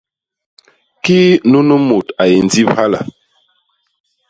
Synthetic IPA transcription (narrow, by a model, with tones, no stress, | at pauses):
ki˦nu˦nə˦mo˨ta˨je˨n˨d͡zi˦pha˦la̰˨